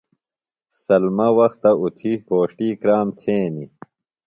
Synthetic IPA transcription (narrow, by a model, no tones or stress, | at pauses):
sɐlmɐwɐxt̪ɐut̪ʰihoːʂʈiːkɾaːmt̪ʰẽːni